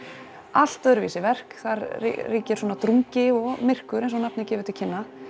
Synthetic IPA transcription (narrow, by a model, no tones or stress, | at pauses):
al̥t̪œɾvḭːsɪvɛr̥kθaɾ̰riːcɛɾ̥swɔːnat̪ɾuŋcɪɔɣmɪr̥kʏɾẽjnsɔnap̚nɪcɛːvʏt̪ɪl̥cʰɪnːa